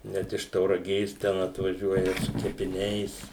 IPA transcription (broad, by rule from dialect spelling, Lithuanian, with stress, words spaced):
ˈnʲɛt ɪʃ tɐʊrɐˈɡʲeːs tʲɛn ɐtʋɐˈʒʲuɔjɛ sʊ kʲɛpʲɪˈnʲɛɪs